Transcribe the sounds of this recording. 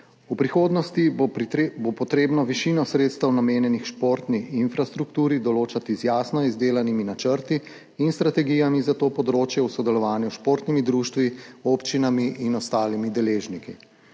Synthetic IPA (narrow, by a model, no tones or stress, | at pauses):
upɾixoːd̪nɔst̪i | bopɔt̪ɾeːbnɔʋiʃiːnɔsɾeːt̪st̪ɛwnameːnjɛnixʃpoːɾt̪nixinfɾast̪ɾukt̪uːɾid̪ɔloːt͡ʃat̪izjaːsnɔizd̪eːlaniminat͡ʃəɾt̪iː | nst̪ɾat̪ɛɡijamizat̪oːpɔd̪ɾoːt͡ʃjɛwsɔd̪ɛlɔʋaːnjuʃpoːɾt̪nimid̪ɾuːʃt̪ʋioːpt͡ʃinamiʔːnɔst̪aːlimid̪ɛleːʒniki